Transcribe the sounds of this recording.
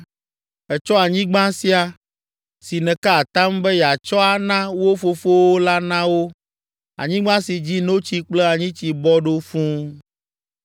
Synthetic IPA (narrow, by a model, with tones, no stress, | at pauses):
ɛ˨t͡ʃɔ˦a˨ɲĩ˦ɡ͡bã˦si˦a˨ | si˨nɛ̃˨ka˦a˨t̪ã˦mbɛ˦jɛ˨a˨t͡ʃɔ˦a˨nã˦wo˦fo˦fo˦wo˦la˦nã˦wo˦ | a̰˨ɲĩ˦ɡ͡bã˦si˨d͡ʑi˦no˦t͡ɕi˦k͡plɛ˦a˨ɲĩ˦t͡ɕi˨bɔ˦ɖo˦fũ˦